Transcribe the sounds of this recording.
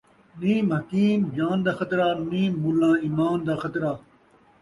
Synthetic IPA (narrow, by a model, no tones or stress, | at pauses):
niːmhɐkiːmd͡ʑaːnd̪aːxɐt̪ɾaːniːmːulːãːiːmaːnd̪aːxɐt̪ɾaː